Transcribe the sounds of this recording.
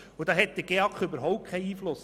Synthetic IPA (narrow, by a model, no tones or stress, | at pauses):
ʊd̥̪ɑːɦɛt̪̚d̥̪əɡ̥eɑkχʏbəɾɦɔʊp̚kʰɛɪiːflʊs